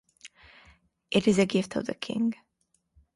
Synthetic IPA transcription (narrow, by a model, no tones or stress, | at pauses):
ʔɪɾɪzɨɡɪftʰɔ̰vðə̰kʰɪ̰̃ŋɡ